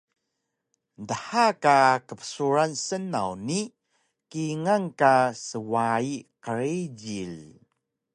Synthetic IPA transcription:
ndəħakakəpə̥suɾansənawni | kiŋaŋkasəwaiqəɾid͡ʑil

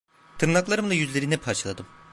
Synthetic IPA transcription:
t̪ʰɯɾnaklˠaɾɯmlˠajyzlʲe̞ɾinɛpʰaɾt͡ʃʰalˠa̰d̪ɯm

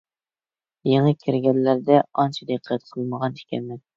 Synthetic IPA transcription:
jeŋɨkʲʰiɾɡʲɛnːæɾd̪ɛɑnt͡ʃʰid̪eqʰːɛt̪̚qʰəlˠməʁɑni̥ʃkʲʰɛ̰nmɛn

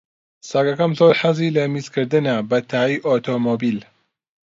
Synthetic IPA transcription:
saɡɐkɐmzoːɾħɐziːlɐmizkʰɨɾd̪ɨnɐbɐt̪ʰaːiʔot̪ʰoːmoːbil

